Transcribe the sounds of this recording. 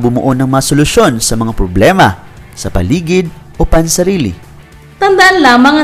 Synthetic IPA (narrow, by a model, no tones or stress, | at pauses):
bʊmʊʔonɐŋmɐŋasolʊʃo̞nsɐmɐŋapɾoblɛːmɐ | sɐpɐ̰liːɡɪd̪̚ | ʔopansɐɾiːlɪ̰ | t̪ɐnd̪aʔanlaːmɐŋɐ